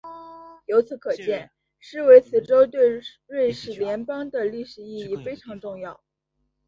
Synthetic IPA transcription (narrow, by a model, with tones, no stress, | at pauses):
jo˧˥ʊt͡sʰɹ̩˧˥kʰɤ˨˩t͡ɕjɛ˥˩n | ʂɻ̩˥˩we˧˥ɪt͡sʰɹ̩˨˩ʈ͡ʂo˥ʊt̪we˥˧ɪ | ɻe˥˩ɪʂɻ̩˨˩ljɛ˧˥npɑ˥ŋd̪ə˨li˥˩ʂɻ̩˨˩i˥˧i˥˩fe˥ɪʈ͡ʂʰɑ˧˥ŋʈ͡ʂʊ˥˧ŋjɑ˥˩ʊ